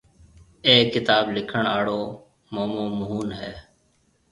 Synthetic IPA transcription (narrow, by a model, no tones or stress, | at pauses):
eːkːɪt̪aːblɪkʰəɳaːɽoː | moːmoːmʊɦuːnɦɛː